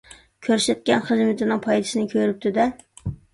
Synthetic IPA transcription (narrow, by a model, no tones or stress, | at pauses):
kʲʰøɾsɛt̪̚kʲɛnχɨzmɪt̪ʰɪnɪŋpʰɑjd̪ɨsɪnɪkʲʰøɾɪp̚t̪ʰɪd̪ɛ